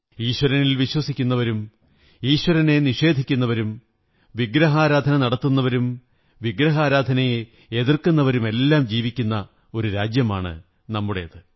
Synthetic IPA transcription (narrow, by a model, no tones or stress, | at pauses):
iːɕwɐɾɐnilʋiɕwɐsikʲːunːɐʋɐɾum | iːɕwɐɾɐne̞niʂe̞ːd̪ʱikʲːunːɐʋɐɾum | ʋiɡɾɐɦaːɾaːd̪ʱɐnɐnɐɽɐt̪ːunːɐʋɐɾum | ʋiɡɾɐɦaːɾaːd̪ʱɐnɐje | eðirkunːɐʋɐɾume̞lːaːmd͡ʑiːʋikʲːunːɐ | o̞ɾuɾaːd͡ʑjɐma̰ːɳɨ̰ | nɐmːuɽe̞jɐðɨ